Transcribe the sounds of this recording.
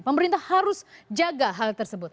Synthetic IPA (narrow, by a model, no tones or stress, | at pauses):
pəməɾint̪ahhaɾʊsd͡ʒaɡaɦalt̪ərsəbʊt̪̚